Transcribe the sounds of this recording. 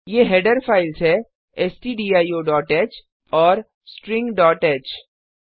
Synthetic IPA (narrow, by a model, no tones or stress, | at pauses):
jeːɦeːɖəɾfʰaːɪlsɦɛ | ɛsʈiːɖiːaːioːɖɔːʈeːt͡ʃ | ɔːɾ | sʈɾɪ̃ŋɡɖɔːʈeːt͡ʃ